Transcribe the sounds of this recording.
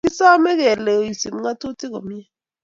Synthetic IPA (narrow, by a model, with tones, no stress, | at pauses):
i˦sa˦mɛ˦kɛ˨lɛ˨i˨si˨m˦ŋa˦to˦tʰi˦kɔ˨m˦ɛ˦